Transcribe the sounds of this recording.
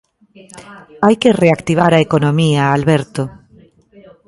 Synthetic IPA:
ajkereakt̪iβ̞aɾaekonõmiaːlβɛɾt̪o

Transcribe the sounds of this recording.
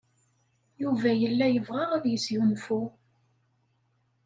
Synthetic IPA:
juvæjəlːæjəvʁɑʁaðjəsjunfu

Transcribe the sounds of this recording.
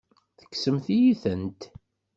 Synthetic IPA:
θə̥kːsəmθijiθənt̪

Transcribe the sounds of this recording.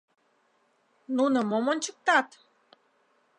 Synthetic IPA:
nunə̆momonʲt͡ɕək̚t̪ɑt̪

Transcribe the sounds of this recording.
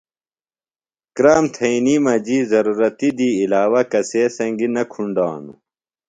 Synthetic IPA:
kɾaːmt̪ʰɐinimɐd͡ʑiːzɐɾuːɾɐt̪id̪iːlaːwɐkɐseːsɐŋɡinɐkʰuɳɖa̰ːnṵ

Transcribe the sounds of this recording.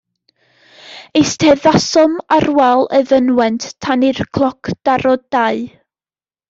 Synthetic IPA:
ejstʰɛðasɔmarwɛlˠəðənwɛnttʰanirkʰlˠɔkʰd̥aɾɔdaɨ

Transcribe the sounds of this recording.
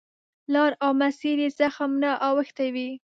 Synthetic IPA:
lɑɾawmasiɾezaxamnaʔɑwəxt̪awi

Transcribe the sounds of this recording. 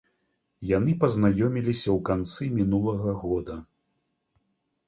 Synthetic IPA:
janɨpɐznajɔmʲilʲisʲɐwkant̪sɨmʲinulˠɐɣɐɣɔd̪ɐ

